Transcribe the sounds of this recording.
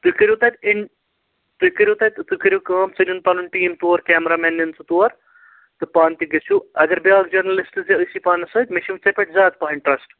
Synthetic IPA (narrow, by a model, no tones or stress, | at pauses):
t̪ukɐɾʲjut̪ɐt̪ɪɳ | t̪ukɐɾʲjut̪ɐt̪t̪ɨkɐɾʲukaːmt͡sɐnunpalunʈiːmt̪oːɾkʲɛːmɾaːmɛːnːɐnt͡sɨt̪oːɐɾ | t̪ɨpaːnt̪iɡɐsʰuɐɡɐɾbjaːɡd͡ʒɐɾnɐlisʈɨzɐəsipaːnɐsɐːt̪ʲmeʃimt͡sɐpʲeʈʰzʲaːt̪paːɦɐɳʈɾɐsʈ